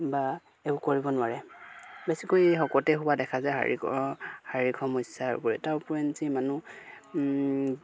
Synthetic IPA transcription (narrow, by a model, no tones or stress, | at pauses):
ba | ebʊkoɹibɔnʊaɹɛbesikojxɔkɔtɛɦubadɛkʰazajɦa̰ɹḭkɔ̰haɹikʰɔmɔsaɹ̰pɔɹɛtaɹpɔɹɛnzimanu